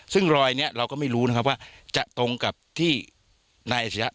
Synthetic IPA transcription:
sɯ˥˩ŋɾɔː˧jni˦˥ɐɾa˧wkɔː˥˩ma˥˩jɾuː˦˥na˦˥kʰa˦˥p̚waː˥˩t͡ɕa˨˩ʔt̪o˧ŋka˨˩p̚t̪ʰiː˥˩ | naː˧jʔa˨˩a˧ja˦˥

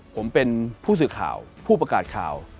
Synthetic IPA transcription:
pʰo˩˦mpe˧npʰuː˥˩s̬ɯː˨˩kʰa̰ː˨˩wpʰuː˥˩pɾa˧kaː˨˩t̪̚kʰa̰ː˨˩w

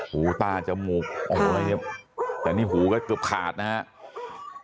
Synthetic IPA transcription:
huː˨˩˦t̪aː˧t͡ɕa˧˩muː˨˩k̚ʔɔ˧˩a˧la˧ni˦˩p̚t̪ɛː˨˩niː˥˩ɦuː˩˦kɔː˧˩kɤː˨˩əp̚kʰaː˨˩t̪̚na˦˧ha˦˥ʔ

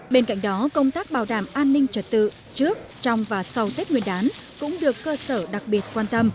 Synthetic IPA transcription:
ɓe˧nka̰˧˨jŋ̟ɗɔ˨˦kə˧wŋ͡mt̪aː˦˥k̚ɓaː˧˩wɗaː˧˩mʔaː˧nːï˧ŋ̟t͡ɕə˨˧˩t̚t̪ɨ̰˧˨ | t͡ɕɨ˦˥ək̚t͡ɕɔ˧wŋ͡mvaː˨˩sa˧wt̪i˦˥k̚ŋwi˧˩ənɗaː˨˦nkʊ̰˧˥ŋ͡mɗɨ˨˩əkːəː˧səː˧˩ɗa˨˩k̚ɓi˨˩ət̚kwaː˧nt̪ə˧m

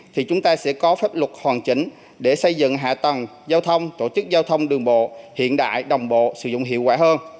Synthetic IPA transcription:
t̪ʰi˨˩t͡ɕʊ˨˦ŋ͡mt̪aː˧sɛ̰˧˥kɔ˨˦faː˦˥p̚lwə˨˩t̚hwaː˨˩nt͡ɕï˨˩˦ŋ̟ | ɗe˧˩sə˧jzɨ̰˧˨ŋɦa̰ː˧˨t̪ə˨˩n | zaː˧wt̪ʰə˧wŋ͡mt̪o˧˩t͡ɕɨ˦˥k̚zaː˧wt̪ʰə˧wŋ͡mɗɨ˨˩əŋɓo̰˧˨hḭ˧˨ənɗa̰ː˧˨jɗə˨˩wŋ͡mɓo̰˧˨sɨ̰˧˥zʊ̰˧˨ŋ͡mhḭ˧˨əwkwaː˧˥həː˧n

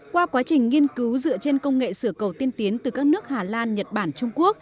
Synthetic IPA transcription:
kwaː˧kwaː˨˦t͡ɕï˨˩ŋ̟ŋi˧ənki˨˦wzɨ̰˧˨ət͡ɕe˧nkə˧wŋ͡mŋḛ˧˨sɨ˧˩əkə˨˩wt̪i˧ənt̪i˨˦ənt̪ɨ˨˩kaː˦˥k̚nɨ˦˥ək̚haː˨˩laː˧nɲə˨˩t̚ɓaː˧˩nt͡ɕʊ˧ŋ͡mku˦˥ək̚

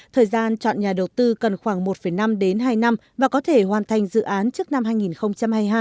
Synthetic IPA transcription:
t̪ʰəː˨˩jzaː˧nt͡ɕɔ̰˧˨nɲaː˨˩ɗə˨˩wt̪ɨ˧kə˨˩nxwaː˧˩ŋmo˨˩t̚fə˧˩jna˧mɗe˨˦nɦaː˧jna˧mvaː˨˩kɔ˨˦t̪ʰe˧˩hwaː˨˩nt̪ʰa˨˩jŋ̟zɨ̰˧˨ʔaː˨˦nt͡ɕɨ˦˥k̚na˧mhaː˧jŋi˨˩nxə˧wŋ͡mt͡ɕa˧mhaː˧jɦaː˧

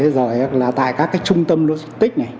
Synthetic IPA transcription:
e˨˦zo˨˩jlaː˨˩t̪a̰ː˧˨jkaː˦˥kːaː˨˦jt͡ɕʊ˧ŋ͡mt̪ə˧mlu˧˦zə̥˦˥t̪ï˦˥k̟̚na˨˩j

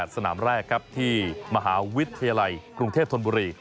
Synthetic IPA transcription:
t̪̚sa˧naː˩˦mɾɛː˥˩kʰɾa˦˥p̚t̪ʰiː˥ma˧ɦaː˩˦wi˦˥t̪ʰːa˧jaː˧la˧jkɾu˧ŋt̪ʰeː˥˩o˧nbuː˧ɾiː˧

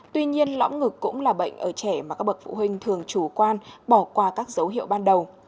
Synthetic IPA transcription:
t̪wi˧ɲi˧ənlɔ̰˧˥wŋ͡mŋɨ˨˩kːʊ̰˧˥ŋ͡mlaː˨˩ɓə̰˧˨jŋ̟ʔəː˧˩t͡ɕɛ˧˩ma˨˩kaː˦˥k̚ɓə˨˩t̚fṵ˧˨ɦï˧ŋ̟t̪ʰɨ˨˩əŋt͡ɕu˧˩kwaː˧nɓɔ˧˩kwaː˧˩kaː˦˥k̚zə˨˦wɦḭ˧˨əwɓaː˧nɗə˨˩w

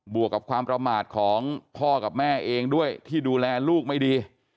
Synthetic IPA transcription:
bu˨˩əkːa˨˩p̚kʰwaː˧mpɾa˧maː˨˩t̪̚kʰɔː˩˦ŋpʰɔː˥˩ka˨˩p̚mɛː˥˩ʔeː˧ŋdu˥˩əjt̪ʰiː˥˩duː˧lɛː˧luː˥˩k̚ma˥˩jdiː˧

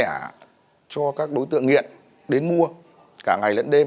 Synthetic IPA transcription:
t͡ɕɔ˧kaː˦˥k̚ɗo˨˦jt̪ɨ̰˧˨əŋːḭ˧˨ən | ɗe˨˦nmu˧ə | kaː˧˩ŋa˨˩jlə̰˧˥nɗe˧

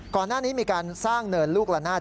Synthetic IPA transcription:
kɔː˨˩nːaː˥˩niː˦˥miː˧kaː˧nsaː˥˩ŋnɤː˧nluː˥˩k̚la˧naː˥˩

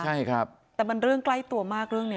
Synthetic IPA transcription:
a˥˩jkʰa˦˥p̚ | t̪ɛː˨˩ba˧nɾɯ˥˩əŋkla˥˩jt̪u˧ɐmaː˥˩k̚ɾɯ˥˩əŋni˦˥˩

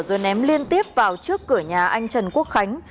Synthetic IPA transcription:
zwə˨˩nʔɛ˨˦mli˧ənt̪i˦˥əp̚vaː˨˩wt͡ɕɨ˦˥əkːɨ˧˩əɲaː˨˩ʔa˧jŋ̟t͡ɕə˨˩nku˦˥ək̚xa˨˦jŋ̟

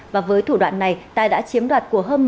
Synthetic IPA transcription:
vaː˨˩vəː˨˦jt̪ʰu˧˩ɗwa̰ː˧˨nːa˨˩jt̪aː˧ɗa̰ː˧˥t͡ɕi˨˦əmɗwaː˨˩t̚ku˧˩əɦəː˧nm˨

